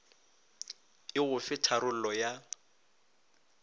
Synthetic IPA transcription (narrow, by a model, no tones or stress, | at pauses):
ɪɣʊfɪtʰaɾʊl̩lɔja